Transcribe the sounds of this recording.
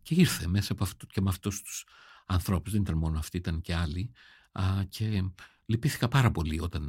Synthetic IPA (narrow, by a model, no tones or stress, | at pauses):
ce̞iɾθemesɐɐpoɐft̪cemeɐft̪ust̪u̥sɐnθɾo̞puzðe̞nit̪ɐnmo̞noɐft̪iit̪ɐnce̞ɐli | cʰe̞ | lipiθi̥kɐpɐɾɐpo̞lio̞t̪ɐn